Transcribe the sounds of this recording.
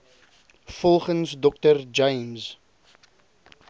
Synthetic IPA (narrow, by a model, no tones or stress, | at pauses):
fɔlˠχənsdɔk̚tərd͡ʒɐjms